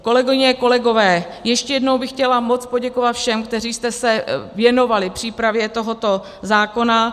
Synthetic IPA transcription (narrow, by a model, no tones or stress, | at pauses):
ko̞lɛɡoɪɲɛko̞lɛɡo̞vɛː | jɛʃcɛjɛdnowbɪxcɛlamo̞t͡spo̞ɟɛkovat̪fʃɛmkt̪ɛriːst̪ɛsɛvjɛno̞valɪpr̥iːpɾavjɛt̪o̞ɦo̞t̪o̞ | zaːko̞na